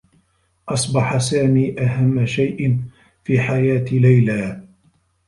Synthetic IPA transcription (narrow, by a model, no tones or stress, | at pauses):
ʔɑsˤbɑħasaːmiːʔaɦamːaʃajʔn | fiːħajaːt̪lajlaː